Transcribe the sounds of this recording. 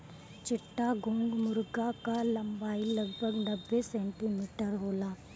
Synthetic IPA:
t͡ʃɪʈːaɡʱõːŋɡmʊɾɡakalɐ̃mbaːilɐɡbʱəɡnɐbːesɛ̃ːɳʈimiːʈəɾɦoːlaː

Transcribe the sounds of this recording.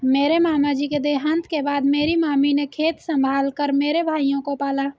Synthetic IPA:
meːɾemaːmad͡ʒiːked̪eːɦə̃nt̪kebaːd̪meːɾimaːminekʰeːt̪sə̃mbʱaːlkəɾmeːɾebʱaːijõkopaːlaː

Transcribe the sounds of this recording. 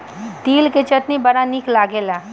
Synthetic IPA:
t̪iːlket͡ʃɐt̪nibɐɽanɪklaːɡeːlaː

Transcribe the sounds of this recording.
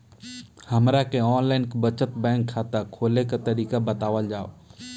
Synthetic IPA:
hɐmɾakeɔːnlaːɪnkbət͡ʃət̪bɛ̃ːŋkʰːaːt̪akʰoːlekat̪ɐɾiːkabɐt̪aːʋəld͡ʒaːo

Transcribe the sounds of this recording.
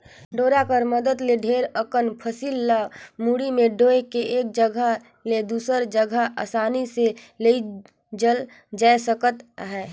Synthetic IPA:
ɖoːɾakəɾməd̪əd̪leɖʱeːɾəkənpʰəsiːlːamuɽimẽɖoːekeʔeːk̚d͡ʒəɡʱə | led̪uːsəɾd͡ʒəɡʱəʔa̰ːsaːnise | lei | d͡ʒəl | d͡ʒaːesəkət̪ɦɛː

